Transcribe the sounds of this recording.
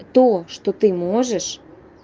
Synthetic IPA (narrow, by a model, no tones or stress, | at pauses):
t̪oʃt̪ot̪ɨmoʒəʃ